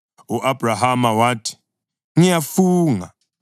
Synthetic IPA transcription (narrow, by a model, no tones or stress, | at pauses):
uʔabraɦamawaːtʰi̥ | ŋijafuːŋa